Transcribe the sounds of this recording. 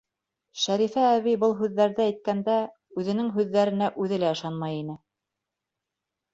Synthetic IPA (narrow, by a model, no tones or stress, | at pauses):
ʃæɾifæːβibɤlˠɦʉðːæɾðɘæjt̪̚kænd̪æ | ʉðɘ̆nɘŋɦʉðːæɾɘ̆næʔʉðɘlæɤ̆ʃɑnmɑjin̪ɘ